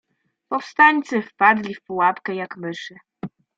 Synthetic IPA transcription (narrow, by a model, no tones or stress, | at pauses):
pɔfst̪aɲʲt̪sɘfpad̪lʲifpuwapkɛjakmɘʂɘ